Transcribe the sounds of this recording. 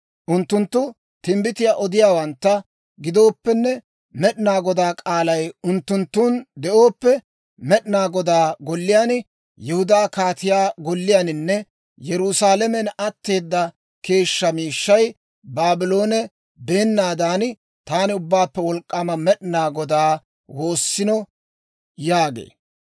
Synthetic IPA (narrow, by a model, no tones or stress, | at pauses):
ʔʊnt̪ːʊnt̪ːʊ | t̪ɪmbɪt̪ɪjaːʔɔd̪ɪjaːwɐnt̪ːɐ | ɡɪd̪o̞ːpːɛnːɛ | mɛɗɪnaːɡɔd̪aːkʼaːlɐjʊnt̪ːʊnt̪ːuːnd̪ɛʔo̞ːpːɛ | mɛɗɪnaːɡɔd̪aːɡɔlːɪjaːnɪ | jɛhʊd̪aːkaːt̪ɪjaːɡɔlːɪjaːnɪnːɛ | jɛɾʊsaːlɛmɛnɐt̪ːe̞ːd̪ːɐ | ke̞ːʃːɐmiːʃːɐj | baːbɪlo̞ːnɛ | be̞ːnːaːd̪aːnɪ | t̪aːnɪʊbːaːpːɛwɔlkʼːɐmɐmɛɗɪnaːɡɔd̪aː | wo̞ːsːɪnɔ | jaːɡḛː